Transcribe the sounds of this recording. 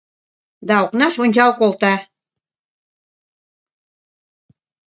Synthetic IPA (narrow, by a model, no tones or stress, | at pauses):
d̪ɑoknɑʃonʲt͡ɕɑlkolˠt̪ɑ